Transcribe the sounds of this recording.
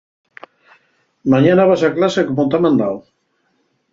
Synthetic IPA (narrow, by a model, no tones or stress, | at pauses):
maɲanaβasaklasekomot̪amãnd̪aw